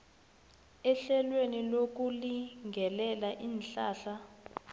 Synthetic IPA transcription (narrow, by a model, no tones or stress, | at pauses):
ɛɬɛlwenilok̬ʼuliŋɡʱɛlɛlaʔiːnɬaːɬa